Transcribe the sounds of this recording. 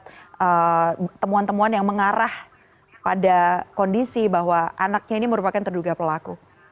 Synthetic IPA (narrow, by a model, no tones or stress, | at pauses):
t̪̚ət̪əmuant̪əmuanjaŋməŋaɾah | padakondisibaɦwaʔanak̚ɲainiməɾupakant̪ərduɡapəlaku